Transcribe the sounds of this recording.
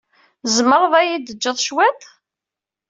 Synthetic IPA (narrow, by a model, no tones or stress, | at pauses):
zməɾˤəðˤæjid̪əd͡ʒːəðˤʃwæt̪